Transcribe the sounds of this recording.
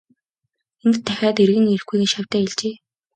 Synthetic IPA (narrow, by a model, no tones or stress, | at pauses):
ent̪t̪ʰːæxʲaːt̪erɣɘ̆ŋer̆xɡujɣɘ̆nʃaw̥ʲt̪æːeɮt͡ɕeː